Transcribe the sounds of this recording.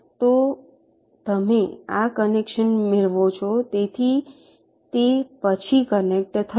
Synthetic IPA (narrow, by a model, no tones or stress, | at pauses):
t̪o | t̪əmeakənekʃənmeɭʋot͡ʃʰɔt̪et̪ʰi | t̪epət͡ʃʰikənek̚ʈt̪ʰə